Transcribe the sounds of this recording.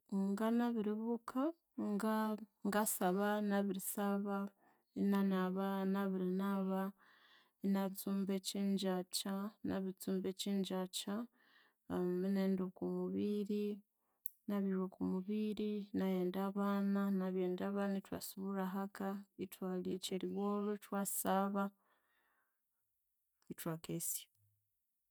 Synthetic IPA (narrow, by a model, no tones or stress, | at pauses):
ŋɡanaβiɾiβukʰa | ŋɡaŋɡasaβanaβiɾisaβa | inanaβanaβiɾinaβa | inat͡suːmbeciːɲd͡ʒat͡ʃana̰βit͡suːmbeciːɲd͡ʒat͡ʃa | mineːndokumuβiɾi | naβiɾokumuβiɾinajeːndaβananaβjeːndaːβanatwa̰suβuɾaɦakaitwalit͡ʃeɾiβoːlutwaːsaβa | itwaːkesja